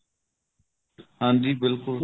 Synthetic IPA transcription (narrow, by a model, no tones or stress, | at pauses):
hãːnd̪iːbɪlkʊl